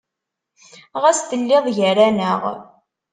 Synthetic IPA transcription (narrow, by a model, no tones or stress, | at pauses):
ʁæst̪əlːɪðˤʝəɾænəʁ